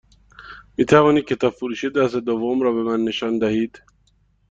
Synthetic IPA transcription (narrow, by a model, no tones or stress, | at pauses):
miːt̪ʰævɒːnid̪̚kcʰe̞t̪ɒːbfoɾuːʃed̪æsed̪ovomɾɒːbe̞mænːe̞ʃɒːnd̪æhiːd̪̥